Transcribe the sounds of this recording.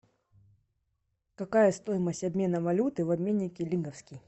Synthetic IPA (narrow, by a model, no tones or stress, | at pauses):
kɐkajɐst̪o̞jɪməsʲtʲɐbʲmʲe̞nəvɐlʲut̪ɨvɐbʲmʲenʲːɪkʲɪlʲiŋɡɐfskʲɪj